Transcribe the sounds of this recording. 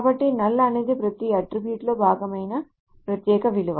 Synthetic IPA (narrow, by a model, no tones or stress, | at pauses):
bɐʈːinɐlːɐːned̪ipɾɐt̪ijɐɐʈɾibjuːʈloːbʱaːɡɐmɐjnɐ | pɾɐt̪jɛːkɐʋiluʋaː